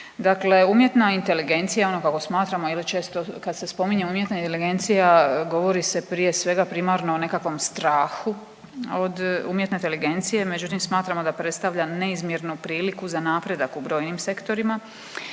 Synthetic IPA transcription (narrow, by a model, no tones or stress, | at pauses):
d̪akle̞umje̞t̪naint̪e̞liɡe̞nt̪sijao̞no̞kako̞smaːt̪ɾamo̞ilit͡ʃe̞ːst̪o̞kad̪se̞spo̞miɲeumje̞t̪naint̪eliɡe̞nt̪sijaɡo̞ʋo̞ɾise̞pɾije̞sʋe̞ɡapɾimaɾno̞one̞kakʋo̞mst̪ɾaːxu | od̪umjet̪net̪eliɡe̞nt̪sije̞med͡ʑut̪imsmaːt̪ɾamo̞d̪apɾet̪st̪aʋʎane̞izmjeɾnupɾiːlikuzanaːpɾe̞d̪akubɾo̞ːjnimse̞kt̪o̞ɾima